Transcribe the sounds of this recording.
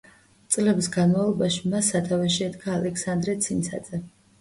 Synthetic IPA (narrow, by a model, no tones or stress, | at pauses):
t̪sʼlɛbisɡanmavlˠɔbaʃimasːat̪ʰavɛʃiɛd̪ɡʰaːlɛksand̪ɾɛt̪sʰint̪sʰa̰d̪z̥ɛ